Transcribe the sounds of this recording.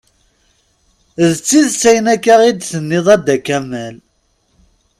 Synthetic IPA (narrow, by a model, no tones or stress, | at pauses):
ðt͡sːiðsæjənækːæʁid̪θənːɪðˤæd̪ækːæmæl